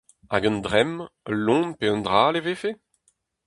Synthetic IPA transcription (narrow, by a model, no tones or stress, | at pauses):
a̰ɡɔ̃nd̪ʁɛmlɔ̃npeɔ̃nd̪ʁaːleveːfe